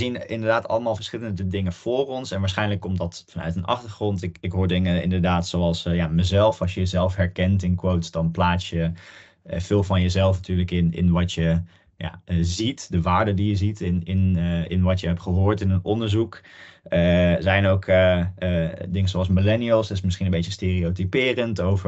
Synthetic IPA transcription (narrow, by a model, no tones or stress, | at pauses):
əzinɪndəɹdaːtɑ̰lˠəmaːlˠfəɹsχɪləndədɪŋəv̥ʊːrɔnsɛnʋaːɹsχɛjnləkːɔmtdɑtfɑnœ̰ɥtənɑ̰χtəɹχrɔntɪkɪkɦoːɹdɪŋəɪ̰ndəɹdaːtsoɑlˠsjaːməzɛlˠfɑsjəjəzɛlˠfɦɛɹkɛntɪnkʋowtsdɑnplaːtjə | v̥ɪːlˠvɑnjəzɛlˠfnatyːɹləkɪnɪ̰nʋɑtjə | ja̰ːzitdəʋaːɹdədijəzitɪnɪnɪnʋɑtjəɦɛptχəɦoːɹtɪnənɔndəɹzukəzɛjnowkə | dɪŋənzoɑlˠsmilɛniəlˠstɪsmɪsχinənbejt͡ʃəsteːriotipɪːrəntowvəɹ